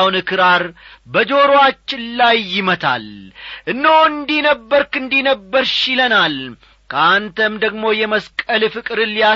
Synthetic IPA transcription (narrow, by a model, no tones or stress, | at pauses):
wnɨkʰɨɾaɾbəd͡ʒo̞ɾwat͡ʃːɪlajːɪmət̪ʰa̰lʔɨnːowɨnd̪inəbːəɾkɨnd̪inəbːəɾʃɪlənal | kʰəant̪ʰəmd̪əɡmo̞jɛməskʼəlfɨkʼɨɾɨlːija